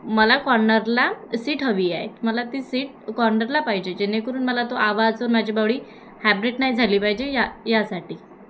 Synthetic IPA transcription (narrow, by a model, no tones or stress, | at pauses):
məlakɔɾnəɾlasiːʈɦəʋiːaɦet̪məlat̪iːsiːʈ̚ | kɔɾnəɾlapaɦid͡ʑed͡ʑenekəɾuːnməlat̪oʔaʋad͡zəɾmad͡ʑʱibaʋɭiː | hæbɾeʈnaid͡zʱaliːpaɦid͡ʑejajasaʈiː